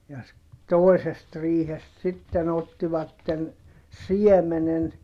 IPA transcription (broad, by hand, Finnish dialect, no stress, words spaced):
jɑ s toesest riːhest sitːen otːiʋɑtːen siɛmenen